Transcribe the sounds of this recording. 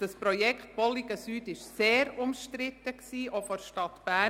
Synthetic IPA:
d̥ɑspɾɔjɛkχt̚b̥ɔliɡəsyːdɪʃseːɾʊmʃtɾɪt̪əksiːʔofɔɾʃtɑtb̥æ

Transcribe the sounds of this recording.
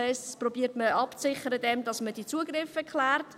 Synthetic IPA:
ɛsprobiːtməɑpt͡sɪχəɾədɛmdɑsmədit͡suəɡrɪfɛkχlæːrt

